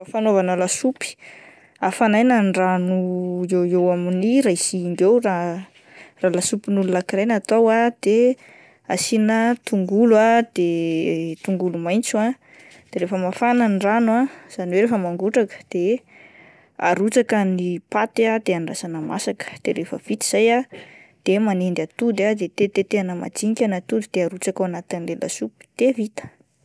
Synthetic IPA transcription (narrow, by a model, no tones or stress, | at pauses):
afanovanəlasupi̥ | afanajnanɖ͡ʐanuewewaminiɾaisiŋɡewra | ralasupinulunakiɾejnat̪owad̪̥e | asinət̪uŋɡuluad̪̥et̪uŋɡulumajnt͡sua | d̪̥eɾefəmafanəniranuaz̥aniweɾefəmaŋɡuʈ͡ʂakə̥d̪̥e | a̰ɾut͡sakənipat̪ad̪̥eanra̰sanəmasakə̥d̪̥eɾefə̰v̥it̪i̥z̥ajad̪̥emanend̪at̪ud̪ad̪et̪et̪et̪eanəma̰d͡ʒiɲkʲanat̪ud̪id̪̥eaɾut͡sakawanat̪inlela̰supi̥t̪evit̪ə̥